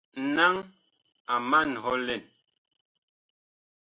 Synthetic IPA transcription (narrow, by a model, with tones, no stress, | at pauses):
n̩˨na˦ŋ | a˨ma˦˨n˨ɦɔ˦lɛ˨n